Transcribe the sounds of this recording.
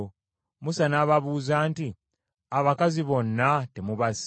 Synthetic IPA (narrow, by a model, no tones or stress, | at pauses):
musanaːβaβuːzaːnti | aβakaziβo̞nːatemuβas